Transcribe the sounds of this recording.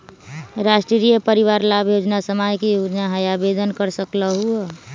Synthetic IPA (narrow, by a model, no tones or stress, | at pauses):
ɾasʈɾiɾijəpəɾiʋaɾlabʱjod͡ʒnasəmajkijod͡ʒnaɦəjabed̪ənkəɾsəkləɦuɛ